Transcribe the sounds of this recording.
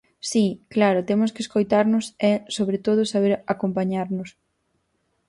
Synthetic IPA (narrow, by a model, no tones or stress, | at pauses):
siklaɾʊt̪emʊskɪeskojt̪aɾnʊsɛsoβɾet̪oð̞ʊsaβeɾakompaɲaɾnʊs